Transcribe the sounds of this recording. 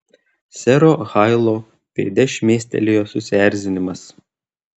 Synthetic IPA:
sʲɛɾoːxɑɪlˠoː | pʲɛɪd̪ʲɛʃʲmʲeːsʲt̪ʲɛ̰lʲejoːsʊsʲɪæˑɾʲzʲɪnʲɪmɐs

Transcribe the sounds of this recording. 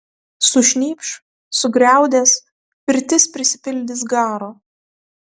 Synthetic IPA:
sʊʃʲnʲiːpʃ | sʊɡɾʲæˑʊd̪ʲeːs | pʲɪɾʲt̪ʲɪspʲɾʲɪsʲɪ̥pʲɪlʲd̪ʲɪs̬ɡɑːɾoː

